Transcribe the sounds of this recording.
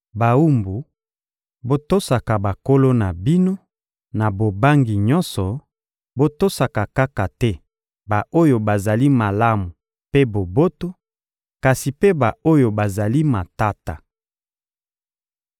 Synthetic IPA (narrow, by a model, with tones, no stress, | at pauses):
ba˨u˦mbu˨ | bo˦to˦sa˨ka˨ba˨ko˦lo˦na˨bi˦no˦ | na˨bo˨ba˦ŋɡi˨ɲɔ̃˦nsɔ˨ | bo˦to˦sa˨ka˨ka˦ka˨tɛ˦ | ba˨ʔo˦jo˨ba˨za˨li˦ma˨la˦mu˨ | pe˦bo˨bo˦to˦ | ka˨si˨pe˦ba˨o˦jo˨ba˨za˨li˦ma˨ta˦ta˨